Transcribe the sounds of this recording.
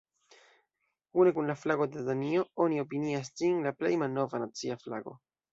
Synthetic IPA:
une̞kunlaflaɡo̞dedanio̞o̞nio̞piniasd͡ʒinlaple̞̰jmalno̞vanat͡siafla̰ɡo̞̰

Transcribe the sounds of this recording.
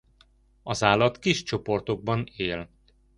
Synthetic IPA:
ɒzaːlɒt̪kiʃt͡ʃo̞po̞rt̪o̞ɡ̚bɒneːl

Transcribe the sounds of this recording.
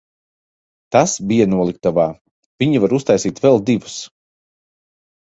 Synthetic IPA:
t̪asbijanuɔlˠik̚t̪avaː | v̥ʲiɲivaɾust̪ajsiːt̪vɛlˠd̪ivu̥s

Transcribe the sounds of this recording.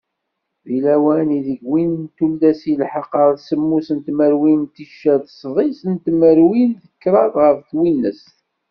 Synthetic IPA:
ðilæwæniðəɡwinnt̪ulːæsilħəqːəɾˤsəmːusənt̪məɾwimt̪iʃːæðəsˤðˤisənt̪məɾwinðəkːɾˤɑðʁəfθwinːəs

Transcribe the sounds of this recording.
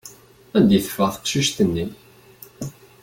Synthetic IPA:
æd̪jiθfəʁθə̥qʃiʃt̪ənːi

